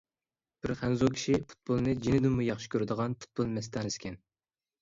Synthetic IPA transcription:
b̥ɪɾχænzokʲʰi̥ʃipʰu̥t̪̚bolˠnɨd͡ʒinɪd̪ɪmmujɑχʃɪ̥kʲøɾɪd̪əʁɑnpʰu̥t̪̚b̥olˠmɛst̪ɑnɪskʲɛn

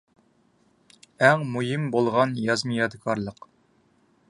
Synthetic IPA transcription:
æŋmujimbolˠʁɑnjɑzmɨjɑd̪ɨkʰɑɾlˠəq

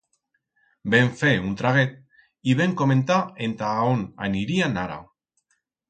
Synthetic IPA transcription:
be̞ɱfeunt̪ɾaɣ̞et̪̚ | iβeŋko̞me̞nt̪aent̪aona̰niɾianaɾa̰w

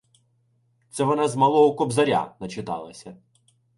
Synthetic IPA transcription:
t̪sɛʋɔnɑzmɐlˠɔɦɔkɔbzɐɾʲa̰nɐt͡ʃɪt̪ɑ̰lˠɐsʲɐ

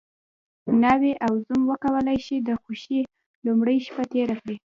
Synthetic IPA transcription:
naweʔawzumwəkawəlajʃid̪əxoʃi | lumɽəjʃpat̪eɾakɽi

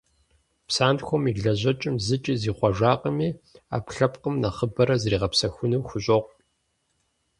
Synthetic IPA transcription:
psaːntxʷɔmiɮɐʑɐt͡ʃʼɪmzɨt͡ʃʼiziːχʷɔʒaːqʼəmiːa̰ːpɬɐpqəmnɐχəbɐɾɐzriːʁɐpsɐxʷʊnɨwxʷʊɕʼoʁʷ

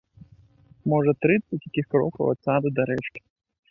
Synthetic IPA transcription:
mɔʐɐt̪ɾɨt̪sɐtʲjakʲixkɾɔ̰kɐwɐ̰t̪sad̪ɨd̪aɾɛt͡ʂkʲi̥

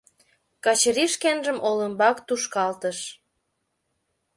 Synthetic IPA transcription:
kɑt͡ɕəɾiʃkenʒəmʔoləmbɑkt̪uʃkɑlt̪əʃ

